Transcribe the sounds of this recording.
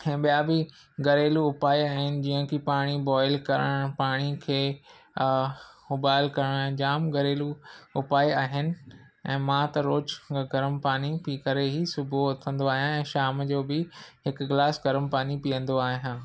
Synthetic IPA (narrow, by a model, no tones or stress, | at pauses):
ɛ̃ːɓijabɪ | ɡɐɾeːluʊpaːiaːɦɪnɪ̆d͡ʑiːə̃kʰipaːɽ̃ibɔːɪlkɐɾəɽ̃paːɽ̃ikʰeː | moːbaːɪlkɐɾəɽ̃aːɦɪ̃d͡ʑaːmɡɐɾeːluʊpaːiaːɦɪnɪ̆ | ɛ̃ːmãt̪ɐɾoːd͡ʑɡɐɾmpaːɽ̃ipiːkɐɾeɦisʊbʱoɐt̪ʰə̃nd̪oaːɦijãɛ̃ːʃaːmd͡ʑoːbɪɦɪkɡlaːsɡɐɾəmpaːnipijə̃nd̪oaːɦijãː